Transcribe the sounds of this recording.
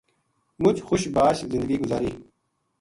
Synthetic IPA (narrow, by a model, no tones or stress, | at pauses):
mʊt͡ʃxʊʃbaːʃzɪnd̪əɡiːɡʊzaːɾiː